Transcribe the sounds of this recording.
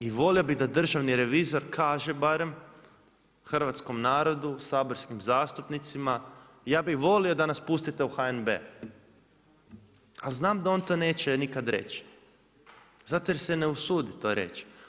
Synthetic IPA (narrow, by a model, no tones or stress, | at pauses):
iʋo̞lio̞bid̪ad̪r̩ʒaʋniɾe̞ʋiːzo̞ɾkʰaːʒe̞baɾe̞m | xr̩ʋat̪sko̞mnaːɾo̞d̪usaːbo̞ɾskimzaːst̪upnit̪sima | jaːbixʋo̞lio̞d̪anaspust̪it̪e̞uxaenbḛ | aliznaːmd̪ao̞ːnt̪one̞ːt͡ɕenikad̪ɾḛt͡ɕ | zat̪ojeɾseneusuːd̪it̪oɾe̞̰t͡ʃ